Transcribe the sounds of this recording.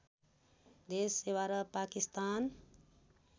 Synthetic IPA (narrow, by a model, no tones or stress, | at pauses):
d̪esewaɾʌpakist̪an